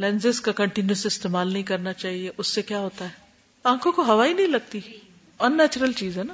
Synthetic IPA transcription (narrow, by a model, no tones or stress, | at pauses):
lɛ̃ːnzɪskakɐ̃ɳʈɪnjuseɪst̪eːmaːlnɐɦĩkɐɾnat͡ʃaːɦieʔʊsːekjaːɦoːt̪aɦɛː | ãːkʰõkoɦɐʋaːinɐɦĩlɐɡ̚t̪i | ɐnːɛːt͡ʃəɾəlt͡ʃiːzɦɛːna